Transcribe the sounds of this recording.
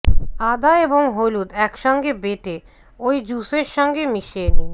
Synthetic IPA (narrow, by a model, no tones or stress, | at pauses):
ad̪aeboŋɦolud̪ɛkʃɔŋɡebeʈe | oid͡ʑuseɾʃɔŋɡemiʃeni